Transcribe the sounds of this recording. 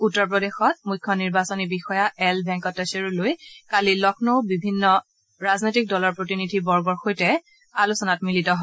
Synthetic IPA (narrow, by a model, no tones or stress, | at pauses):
utːɔɹpɹɔdexɔt̚mujkʰːɔniɹbasɔnibixɔjaɛlbʱɛ̃ŋkɔtːɛseɹulojkalilɔkʰnowbibʱinːɔ | ɹaznojtik̚dɔlɔɹpɹotinidʱibɔɹɡɔɹxojtɛ | alusɔnatmilitɔɦɔ